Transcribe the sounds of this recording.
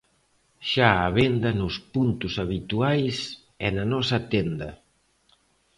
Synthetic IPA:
ʃaaβend̪ɐnʊspunt̪usaβ̞it̪uajs | ɛnanɔsat̪end̪ɐ

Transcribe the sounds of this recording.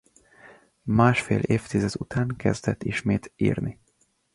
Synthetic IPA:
maːʃfḛːleːft̪izɛd̪ut̪ʰaːŋkɛ̰zd̪ɛt̪ːiʃmeːt̪ḭːrni

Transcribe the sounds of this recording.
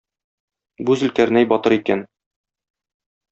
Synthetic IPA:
buzɘ̆lkæɾnæjbɒt̪ɤɾikæn

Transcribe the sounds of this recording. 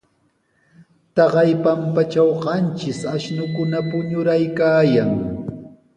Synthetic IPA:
t̪ɑɢɑjpampat͡ʃawɢɑnt͡ʃɪsaʃnʊkʊnapʊɲʊɾajkaːjaŋ

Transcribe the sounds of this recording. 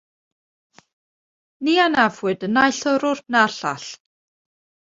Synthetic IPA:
nianavwɨdənajɬɔɾʊrtnarɬa̰ɬ

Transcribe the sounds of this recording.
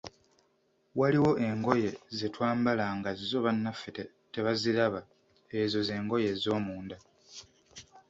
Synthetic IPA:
waliwo̞ʔe̞ŋɡo̞je̞zetwaːmbalaŋɡazizo̞βanːafete | te̞βaziɾaβa | ezo̞ze̞ːŋɡo̞je̞zo̞ːmuːnda

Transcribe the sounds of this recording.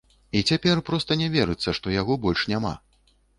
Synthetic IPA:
it͡sʲapʲɛrpɾɔst̪ɐnʲɛvʲɛɾɨt̪sːɐʂt̪ɔjaɣɔbɔlʲʂnʲama̰

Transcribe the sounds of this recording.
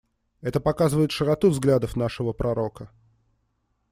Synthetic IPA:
ɛt̪əpɐkazɨvəɪt̪ʂəɾɐt̪uvzɡlʲad̪əfnaʂɨvəpɾʔɐɾo̞kə

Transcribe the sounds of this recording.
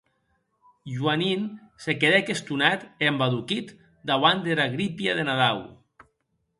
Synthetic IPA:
ʒuaninsekeðɛkest̪unat̪embaðukit̪ | d̪aβand̪eɾaɣɾipiaðenaðaw

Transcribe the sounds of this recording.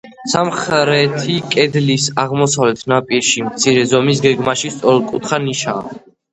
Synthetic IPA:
samχɾɛt̪ʰikʼɛd̪lisaʁmɔsavlɛt̪ʰnapʼiɾʃimt̪sʰiɾɛzɔmis̬ɡɛɡmaʃist̪sʼɔɾɛlkʼut̪ʰχaniʃa̰ː

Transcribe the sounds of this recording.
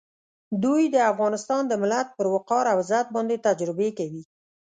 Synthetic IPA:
d̪ujd̪əafɣɑnɪst̪ɑnd̪əmɪlat̪̚pəɾwʊqɑɾawzat̪̚bɑnd̪et̪ad͡ʒɾɪbekawi

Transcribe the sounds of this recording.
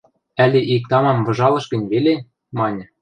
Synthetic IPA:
ælʲeʔik̚t̪ɑmɑmvɤ̆ʒɑlˠɤ̆ʃɡə̆nʲβele | mɑnʲɤ̆

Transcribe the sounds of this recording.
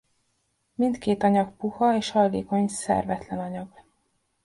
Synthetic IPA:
mint̪keːt̪ɒɲɒk̚puhɒeːʃhɒjlḛːkoɲsɛ̰rvɛt̪lɛnɒɲɒɡ̥

